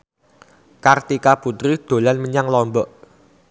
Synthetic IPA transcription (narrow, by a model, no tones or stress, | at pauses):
kart̪ikaput̪ɾid̪̥o̤lanməɲaŋlɔmbɔʔ